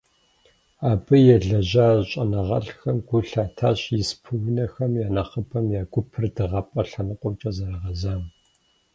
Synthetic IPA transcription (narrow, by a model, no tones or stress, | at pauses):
aːbɨjɛɮɐʑaːɕʼɐnɐʁɐ̰ɬxɐmɡʷʊɬaːtʰaːɕjɪspʰɨwʊnɐxɐmjaːnɐχəpʰɐmjaːɡʷʊpʰɨrdɨʁɐpʼɐɬɐnɨqʷʼɔmt͡ʃʼɐzɐrɐʁɐzaːŋ